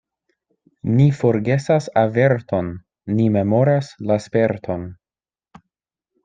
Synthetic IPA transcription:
nifo̞ɾɡe̞sasave̞ɾto̞nː | ime̞mo̞ɾaslaspe̞ɾtʰo̞n

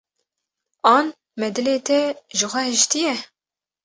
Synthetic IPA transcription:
ɑːn | mɛd̪ɨleːt̪ʰɛʒɨxʷɛhɨʃt̪ijɛ

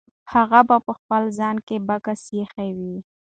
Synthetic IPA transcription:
haɣabapəxpəlzɑnkebakasexawi

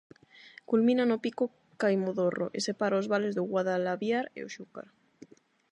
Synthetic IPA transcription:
kulmĩnanopiko | kajmoðoro̰ʔesepaɾaozβalezðoɣwaðalaβjaɾḛoʃuka̰ɾ

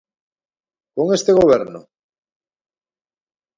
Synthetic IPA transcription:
koŋest̪eɣoβ̞eɾno̰

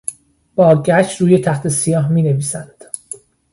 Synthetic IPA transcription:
b̥ɒːɟæʃt̪ɾuːje̞t̪ʰæht̪ʰe̞sijɒːɦmiːneviːsænd̪̥

